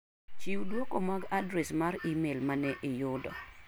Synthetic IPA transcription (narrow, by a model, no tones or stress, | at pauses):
t͡ʃiwdwɔkomaɡadɾɛsmaɾimelmanɛʔɪjʊdɔ̰